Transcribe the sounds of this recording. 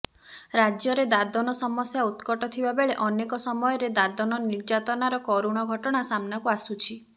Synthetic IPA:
ɾad͡ʒjɔɾed̪ad̪ɔnɔsɔmɔsjaut̪kɔʈɔt̪ʰibabeɭeʔɔnekɔsɔmɔjɔɾed̪ad̪ɔnɔniɾd͡ʒat̪ɔnaɾɔkɔɾuɽ̃ɔɡʱɔʈɔɽ̃asamnakuasut͡ʃʰi

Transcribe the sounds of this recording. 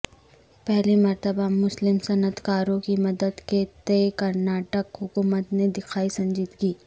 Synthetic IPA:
pɛɦlimɐɾt̪əbamʊslɪmsɐnət̪ʰkaːɾõkimɐd̪əd̪ket̪eːkɐɾnaːʈəkɦʊkuːmət̪ned̪ɪkʰaːisɐ̃ɲd͡ʒɪt̪kiː

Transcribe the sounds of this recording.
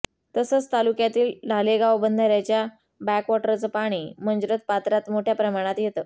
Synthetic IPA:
t̪əsəːt͡st̪alukjat̪iːlɖʱaleɡaʋbənd̪ʱəɾjat͡ɕja | bækʋɔʈəɾt͡səpaɽ̃iːm̤ənd͡zɾət̪̚pat̪ɾat̪moʈʰjapɾəmaɽ̃at̪jet̪əː

